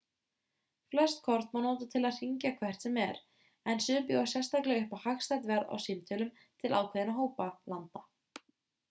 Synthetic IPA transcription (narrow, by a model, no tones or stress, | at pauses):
flɛ̥st̪kʰɔɾt̪mawnoːt̪at̪ʰɪlaðr̥iɲcakʰv̥ɛr̥t̪sɛmɛɾ | ɛnsʏːpjɔɣḁsjɛst̪aklɛɣʏhpahaxst̪ajt̪vɛɾða̰wsimt̪ʰœlʏm | t̪ʰɪlʔa̰wkʰvɛðɪnaɦoːwpalant̪a